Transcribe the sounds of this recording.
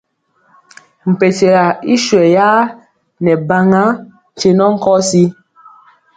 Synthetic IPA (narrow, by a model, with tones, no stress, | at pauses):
m̩˨pe˨t͡ʃe˨la˨i˦ʃwɛ˨ja˦ | nɛ˨ba˦ŋa˦˨ | t͡ʃe˦nɔ˦ŋ̩˦kɔ˦si˦